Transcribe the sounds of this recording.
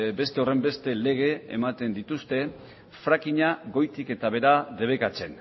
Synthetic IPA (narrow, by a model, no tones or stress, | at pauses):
be̞st̪e̞o̞re̞mbe̞st̪e̞le̞ɣ̞e̞ḛmat̪e̞nd̪it̪ust̪e̞ | fɾakiɲaɣo̞jt̪ike̞t̪aβ̞e̞ɾaðe̞β̞e̞kat͡se̞n